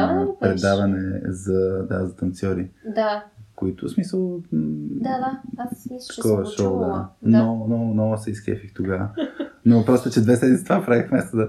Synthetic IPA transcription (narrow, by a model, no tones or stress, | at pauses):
pɾɛdd̪avɐnɛzɐd̪azɐt̪ɐnt̪siɔɾid̪akoit̪ʊsmisəlˠd̪ad̪aast̪ɐkɔvəʃɔd̪anɔnɔnɔsɛiskɛ̰fikt̪ːoɡavənopɾɔst̪ʊt͡ʃɛd̪vɛsɛd̪mit̪sit̪ovapɾavixmɛst̪od̪ɐ